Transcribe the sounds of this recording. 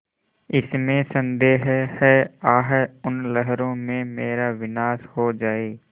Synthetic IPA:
ɪsmẽsə̃nd̪eːɦhɛaːɦɛʊnlɛɦɾõmẽmeːɾaʋɪnaːshod͡ʒaːeː

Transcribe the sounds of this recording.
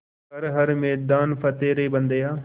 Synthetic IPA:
ɐɾɦɐɾmeːd̪aːnfɐt̪eːɾeːbɐ̃nd̪ejaː

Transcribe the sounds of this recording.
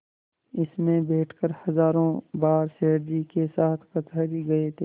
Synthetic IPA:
ɪsmẽbɛːʈʰkəɾhɐzaːɾõbaːɾseːɽd͡ʒikesaːt̪ʰkɐt̪aːɾiɡɐet̪ʰeː

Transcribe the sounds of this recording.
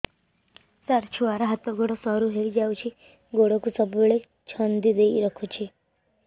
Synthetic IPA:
saɾt͡ʃʰuʋaɾaɦat̪ɔɡoɽɔsɔɾuɦeɾid͡ʒawt͡ʃʰi | ɡoɽɔkusɔbuɭe | t͡ʃʰɔnd̪id̪eiɾɔkʰot͡ʃʰi

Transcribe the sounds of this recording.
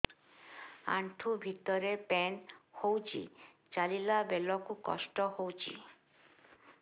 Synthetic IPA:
a̰ɳʈʰubʱit̪ɔɾepɛnhowt͡ʃʰḭ | t͡ʃalilabelɔkukɔ̰ʃʈɔhowt͡ʃʰḭ

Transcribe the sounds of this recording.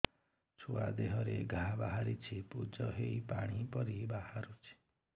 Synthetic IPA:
t͡ʃʰua̰d̪eɦɔɾeɡʱabaɦaɾit͡ʃʰipud͡ʒɔɦeipaɽ̃ipɔɾibahaɾut͡ʃʰi̥

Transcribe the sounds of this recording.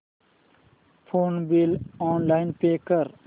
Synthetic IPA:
pʰoːnbilɔːnlaːɪnpeːkəɾ

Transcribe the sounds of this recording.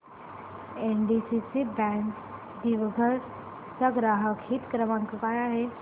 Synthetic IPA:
enɖisit͡sibæ̃ɳk | d̪iʋɡʱəɾ | t͡saɡɾaɦəkʰiːt̪kɾəʋãŋkəkajaɦe

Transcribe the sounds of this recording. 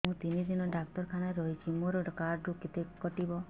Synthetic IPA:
mũt̪inid̪inɔɖak̚t̪ɔɾkʰanaɾɔɦit͡ʃʰimũɾɔkaɾɖɾukit̪ekɔʈibɔ

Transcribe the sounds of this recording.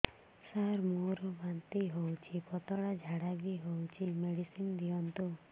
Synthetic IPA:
saɾmoɾɔbant̪iɦowt͡ʃʰipɔt̪ɔɽad͡ʒʱaɽabiɦowt͡ʃʰimeɽisind̪iɔnt̪u

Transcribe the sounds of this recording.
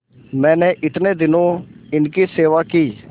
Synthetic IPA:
mɛ̃ːnẽːʔɪt̪nẽːd̪ɪnõːɪnkiːseːʋaːkiː

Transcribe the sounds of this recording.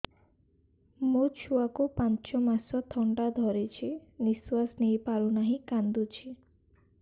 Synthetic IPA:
mot͡ʃʰuakupant͡ʃɔmasɔt̪ʰɔɳɖad̪ʱɔɾit͡ʃʰiniswasnejpaɾunaɦĩkand̪ut͡ʃʰi

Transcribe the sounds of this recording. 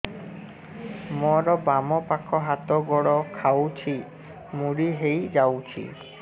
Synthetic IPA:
mɔɾɔbamɔpakʰɔɦat̪ɔɡɔɽɔkʰawt͡ʃʰi | muɽiɦejd͡ʒawt͡ʃʰḭ

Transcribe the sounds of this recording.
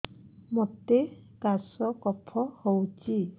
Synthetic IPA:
mɔt̪e | kasɔkɔpʰɔhowt͡ʃi

